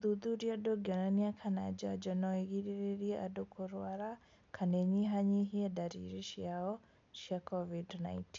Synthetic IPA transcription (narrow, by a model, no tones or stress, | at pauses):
d̪ud̪uɾiadoɡɔnaniakʰanad͡ʒad͡ʒɔnɔiɣiɾiɾiɾia̰dokʰoɾwaɾa | kʰanɛɲiɦaɲiɦiɛdaɾḭɾiʃiaɔ | ʃiakʰɔvidna̰inti̥n